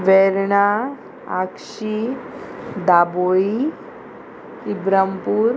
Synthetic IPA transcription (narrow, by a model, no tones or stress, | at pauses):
ʋɛɾɳa | akʃi | d̪aboi | ibɾampuɾ